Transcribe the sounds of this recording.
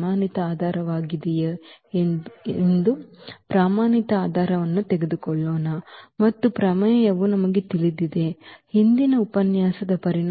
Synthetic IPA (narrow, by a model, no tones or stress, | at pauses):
aːnit̪ɐaːd̪ʱaːɾɐʋaːɡid̪ɛje | nd̪upɾaːmaːnit̪ɐaːd̪ʱaːɾɐʋɐnːut̪ɛɡed̪ukɔɭːoːnɐmɐt̪ːupɾɐmɐjɐjɐʋunɐmɐɡe̞t̪ilid̪id̪e̞hind̪inɐupɐnjaːsɐd̪ɐpɐɾin